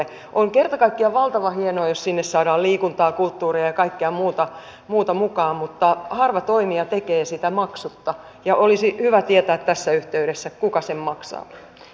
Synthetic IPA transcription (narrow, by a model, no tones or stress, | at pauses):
ʔoŋkert̪ɑkɑikːiɑʋɑlt̪ɑʋɑhienoɑjossinːessɑːdɑːlliːkunt̪ɑːkult̪ːuːriɑjɑkɑikːeɑmuːt̪ɑ | muːt̪ɑmukɑːmmut̪ːɑhɑrʋɑt̪oimiɑt̪ekeːsit̪æmɑksut̪ːɑ | jɑʔolisihyʋæt̪iet̪æːt̪t̪æsːæyht̪eyɾesːækukɑsemmɑksɑ̰ː